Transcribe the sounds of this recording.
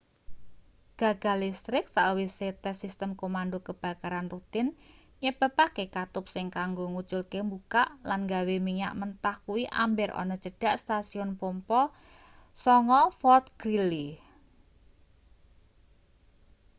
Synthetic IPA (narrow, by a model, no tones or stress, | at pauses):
ɡ̥a̤ɡ̥a̤list̪ɾɪksaʔwiset̪ɛsist̪əmkomandokəb̥ä̤kaɾanrut̪ɪn | ɲəb̥a̤pakekat̪ʊp̚sɪŋkaŋɡoŋut͡ʃʊlkembukaʔlanŋɡawemiɲa̰ʔmənt̪ahkuwiʔa̰mbɪɾɔ̰nɔt͡ʃəɖ̥aʔst̪asiʊnpompɔ | sɔŋɔfɔrt̪̚ɡ̥ɾili